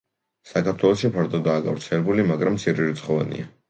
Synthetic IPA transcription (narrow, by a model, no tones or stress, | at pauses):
sakʰaɾt̪ʰwɛlˠɔsʃipʰaɾd̪ɔd̪aːɡavɾt̪sʰɛlɛbulimaɡɾamt̪sʰiɾiɾit̪sχɔva̰nḭa